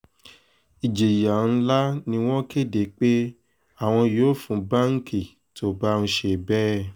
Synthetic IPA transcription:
i˨d͡ʒe˨ja˨ñ̩˦la˦nĩ˧w̃ɔ̃˦ke˦˨de˨˦k͡pe˦ | a˦˨w̃ɔ̃˧joː˨˦fũ˨˦ba˦ŋ̩˦kʰi˦˨ | tʰo˦ba˦ũ˧ʃe˧˨bɛ˦

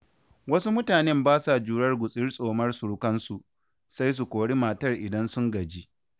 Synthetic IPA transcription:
wɐ˦su˦mʊ˦taː˨nɛ˦mbaː˦sa˨d͡ʒuː˨ɽɐ˦rɡʷʊ˨sʼɪ˦rsʼoː˨mɐ˦rsu˨ɽʊ˦kɐ˦nsu˨ | sa˦js̬u˨kʷoː˨ɽi˦maː˨tɐ˦˨rʔɪ˨dɐ˦nsʊ˦ŋɡɐ˨d͡ʒi˦ʔ

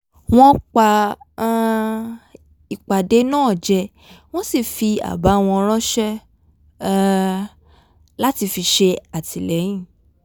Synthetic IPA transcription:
w̃ɔ̃˦k͡pã˧˦˧ | i˨k͡pa˨de˨˦nãː˦˨d͡ʒɛ˧ | w̃ɔ̃˦si˦˨fi˧a̰˨ba˨˦˧w̃ɔ̃˧ɔ˧ɾ̃ɔ̃˦ʃɛ˦ | la˦ti˧fi˧ʃe˧a˨tʰi˨lɛ˨˦j̃ĩ˦˨

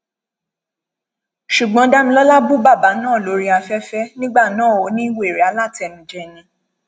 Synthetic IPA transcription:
ʃu˨ɡ͡bɔ̃˨˦da˦mĩ˧lɔ˦la˦bu˦ba˦˨ba˨˦nãː˦˨lo˨˦ɾi˦a˧fɛ˦fɛ˦nĩ˦ɡ͡ba˦˨nãː˨˦˨o˨˦nĩ˦i˦wo˦e˨ɾɛ˨˦a˨˦la˦˨tɛ˨mĩ˨d͡ʒɛ˦˨nĩ˧˦

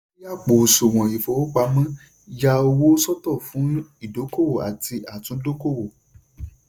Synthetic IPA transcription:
ja˦˨k͡po˨su˨w̃ɔ̃˨i˨fo˨wo˦k͡pa˧mã˦ | ja˧o˧wo˦sɔ˦tɔ˦˨fũ˨˦i˦˨do˨˦ko˦wo˦˨a̰˨ti˧ʔa˨tũ˨˦do˦ko˦˨wo˨

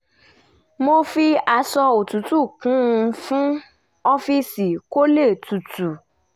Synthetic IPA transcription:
mo˦fi˦a˧sɔ˧o˨tu˨tu˦˨kũ˨˦˧fũ˦ | ɔ˦fi˦si˨ko˦le˦˨tu˨tu˨

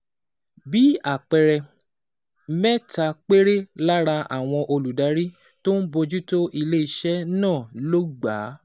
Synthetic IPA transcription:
bi˨˦a˦˨k͡pɛ˧ɾɛ˧˦ | mɛ˦ta˧k͡pe˦ɾe˦la˦ɾa˧a̰˨w̃ɔ̃˧ʔo˧lu˨da˨˦ɾi˦ | to˦n̩˦bo˧d͡ʒu˦to˦ʔi˧le˦i˧ʃɛ˦nãː˦˨lo˦ɡ͡ba˨˦

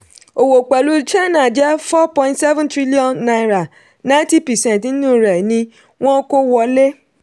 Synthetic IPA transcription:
o˨wo˨k͡pɛ˨lu˦t͡ʃa˦na˨d͡ʒɛ˦fɔ˦pɔ̃˦ĩ˦ntsɛ˦vɛ̃˦ntɾi˦li˦ɔ̃˨nːa˦jɾa˨ | nã˦nti˦pɛ˨sɛ̃˦n˨tn̩˦nũ˦˨ɾɛ˨nĩ˦ | wɔ̃˦ko˦wɔ˨le˦

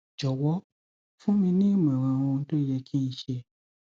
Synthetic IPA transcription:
d͡ʒɔ˨wɔ˨˦ | fũ˦mĩ˧nĩ˦˨m˨ɛ̃˨ɾã˨˧˨w̃ɔ̃˧n̩˦to˦jɛ˧kʰi˦n̩˧˦ʃe˧

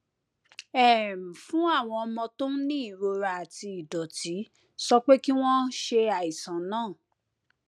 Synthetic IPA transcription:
ɛ˦˨m̩˨fũ˦a˦˨w̃ɔ̃˧ɔ˧mɔ̃˧tõ˦nĩ˦i˦˨ɾo˧ɾa˧a˨ti˧i˨dɔ˨ti˨˦ | sɔ˧k͡pe˦ki˦w̃ɔ̃˦ʃe˧a˨i˨sã˨nãː˦˨

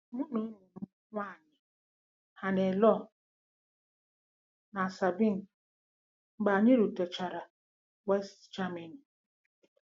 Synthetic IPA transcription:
mu˦no˨˦nu˨m̩˦ŋʷa˦˨ɲɪ˨ | ha˨ne˨lɔ˦ | na˨sa˨bi˦n̩˨ | ŋ͡m̩˦ɡ͡ba˨ɲɪ˦ɾu˨te˨t͡ʃa˨ɾa˨ | wɛ˦std͡ʒa˦me˨n˨

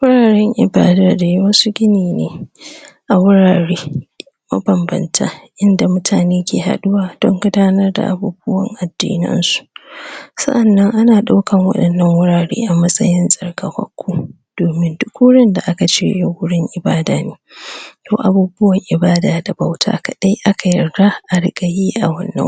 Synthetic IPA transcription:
wʊ˦ɽaː˨ɾɛ˦ŋʔɪ̰˨baː˦daː˨da˨ji˦wɐ˦su˦ɡʲɪ˦niː˨nḛː˨ʔa˨wʊ˦ɽaː˨ɽeː˦ | mɐ̰˦bɐ˨mbɐ̰˨ntʰa̰˦ʔɪ˦nda˨mʊ˦tʰaː˨neː˦kʲʰeː˨ɦa̰˨ɗʊ˦waː˨d̥ɔ˦ŋɡʷʊ˦daː˦nɐ˦rda̰˨ʔa̰˨buː˦bʊ˦wɐ˨ŋʔa˨dːḭː˦nɪ̰˦nsu̥˨ʔsɐ̰˦ʔa˨nːɐ˦ŋʔa˦naː˨ɗa˦wkɐ˨ŋwɐ̰˦ɗɐ˨nːɐ˦ŋwʊ˦ɽaː˨ɽḛː˦ʔa˨mɐ˦sʼɐ˦jɪ˦nsʼɐ˨rkɐ˨ɸʷɐ̰˦kʷːuː˦ | d̥oː˨mɪ˦ndʊ˦kːu˦ɽɪ˦nda˨ʔa˦ka˨t͡ʃeː˦jo˦wʊ˦ɽɪ˦ŋʔɪ˨baː˦daː˨neː˦ja˦wʔa˨buː˦bʊ˦wɐ˨ŋʔɪ˨baː˦daː˨da˨ba˦wtʰa̰ː˦kɐ˨ɗa˦jʔa˦kʰa˨jɐ˨rɡa˦ʔa˨ɽɪ˦ɡɐ˨jiː˦ʔa˨wɐ̰˦nːɐ̰˦

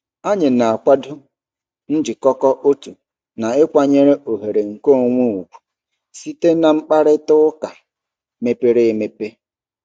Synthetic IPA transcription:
a˦ɲɪ˨na˨a˨kʷa˦dʊ˦ | n̩˦d͡ʒɪ˨kɔ˦kɔ˦ʔo˦tu˨ | na˨ɪ˦kʷa˨ɲe˦ɾe˦ʔo˨ɦe˨ɾe˨ŋ̩˨ko˦˨ŋʷu˦u˨kʷu̥˨ | si˦te˦na˨ŋ͡m̩˦k͡pa˦ɾɪ˦tʊ˦ka˨ | me˦pe˦ɾe˦e˨me˨pe˦

